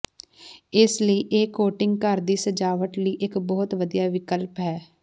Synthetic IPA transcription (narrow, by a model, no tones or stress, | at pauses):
ɪsləiːʔeːkoːʈɪŋɡkəɾd̪iːsəd͡ʒaːʋəʈləiːʔɪkbɔːt̪ʋəd̪ijaːʋɪkəlpɦɛː